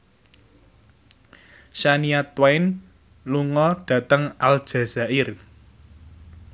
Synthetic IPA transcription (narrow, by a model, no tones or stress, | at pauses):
ʃaniat̪waɪn | luŋɔɖ̥ä̤t̪əŋald̥ʒ̥ä̤z̥aʔɪr